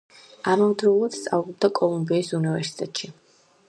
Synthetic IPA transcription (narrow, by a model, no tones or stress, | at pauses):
aɾɔmd̪ɾɛulˠad̪̥st̪sʼa̰vʁɔb̚d̪akʼɔlˠumbiːsunivɛɾsi̥t̪ʼɛt̪ʼʃi